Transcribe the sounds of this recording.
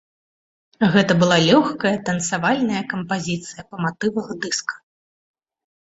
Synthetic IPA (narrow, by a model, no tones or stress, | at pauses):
ɣɛt̪ɐbɨlˠalʲɔxkɐjɐt̪ɐnsavalʲnɐjɐkɐmpazʲit̪sɨjɐpɐmat̪ɨvɐɣɐd̪ɨskɐ̥